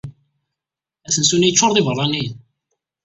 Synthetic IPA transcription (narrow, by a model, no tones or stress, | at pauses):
æsənsunijət͡ʃːoɾˤðˤivərˤːɑnin